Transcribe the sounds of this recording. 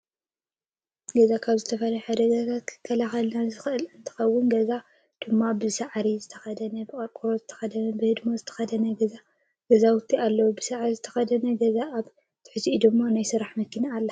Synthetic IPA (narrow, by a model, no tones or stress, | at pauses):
ɡɐzakʰaβzɨt̪ʰɐfɐljħad̪ɐɡat̪ʰat̪kʰɨ̥kʰːɐlaxɐlnazɨxɨʔɨlɨnt̪ʰɨ̥xɐwːʊnɡɐza | d̪̥ɨmːabɨsaʕɾizɨt̪ʰɐxɐd̪ɐnɐbɨkʼɐɾkʼuɾozɨt̪ʰɐ̥xɐd̪ɐnɐbɨhɨd̪mozɨt̪ʰɐ̥xɐd̪ɐnɐɡɐza | ɡ̥ɐzawʊt̪ʰːialːɐwubɨsaʕɾizɨt̪ʰɐ̥xɐd̪ɐnɐɡɐzaaβ | t̪ʰɨ̥ħɨziʔid̪ɨmːanajsɨɾaħmɐkːinaːlːɐ